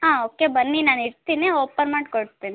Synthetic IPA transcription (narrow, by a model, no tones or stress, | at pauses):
ɦãːoːkebɐnːinaːniɾt̪iːneoːpɐnmaːɖkoɽt̪iːni